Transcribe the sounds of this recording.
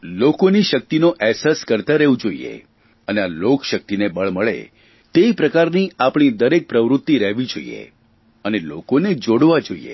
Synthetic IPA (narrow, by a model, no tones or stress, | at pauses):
lokoniʃək̚t̪inoʔɛɦsaskəɾt̪aɾəɦũd͡ʒoiḛ | ənealokʃək̚t̪inebəɭməɭḛ | t̪eipɾəkaɾniapɳ̃id̪əɾek̚pɾəʋɾʊt̪ːiɾəɦʋid͡ʒo̰ḭḛ | ənelokoned͡ʒoɽʋad͡ʒoḭḛ